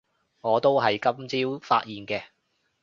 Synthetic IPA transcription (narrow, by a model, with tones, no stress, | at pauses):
ŋɔː˨˧t̪o˥wɦɐ˨jkɐ˥mt͡siː˥wfa̰ː˧t̚jiː˨nkɛː˧